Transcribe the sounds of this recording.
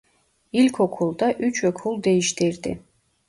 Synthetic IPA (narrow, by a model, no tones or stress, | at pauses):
ilʲkʰokʰulˠd̪ɑʔyt͡ʃʰøkʰulˠd̪ejiʃt̪iɾd̪ɪ̰